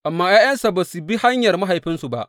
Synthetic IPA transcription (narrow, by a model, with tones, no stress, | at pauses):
ʔa˨mːaː˦jaː˦jɐ˦nsa˨baː˨su˨bi˦ha˦ɲjɐ˨rma˦ɦa˨jɸɪ˦nsu˨ba̰˦ʔ